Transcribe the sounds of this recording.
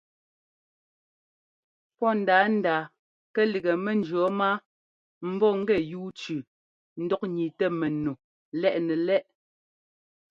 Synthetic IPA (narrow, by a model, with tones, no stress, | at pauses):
pɔ˦˨n̩˨daː˨˦n̩˦daː˨ | kɛ˦li˨ɡɛ˨mɛ˨n̩˦d͡ʒɰɔ˨˦ma˦ | m̩˦bɔ˦˨ŋ̩˦ɡɛ˦˨juː˦t͡ʃʉ˨ | n̩˦dɔ˦k̚ɲi˨tɛ˦mɛ˨no˨ | lɛ˦ʔnɛ˨lɛ˦ʔ